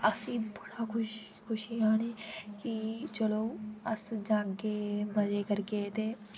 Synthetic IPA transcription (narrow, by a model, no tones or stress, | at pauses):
əsĩːbəɽaːkʊʃ | kʰʊʃiːaːneːkit͡ʃəloːəsd͡ʒãːŋkeːbəd͡ʒeːkəɾkeːt̪eː